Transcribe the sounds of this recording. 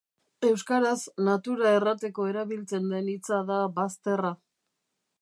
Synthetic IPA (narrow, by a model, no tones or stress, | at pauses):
e̞wskaɾaznat̪uɾaerat̪e̞ko̞e̞ɾaβilt͡se̞nd̪e̞nit͡saðaβast̪e̞ra